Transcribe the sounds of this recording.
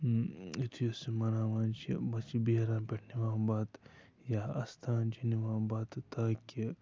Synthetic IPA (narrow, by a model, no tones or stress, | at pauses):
it̪ʰujosimɐnaːʋaːnt͡ʃibɐt͡ʃibeːɾãːpʲeʈʰniʋaːbaːt̪ | jaɐst̪ʰaːnt͡ʃʰiniʋaːbaːt̪t̪aːkʲi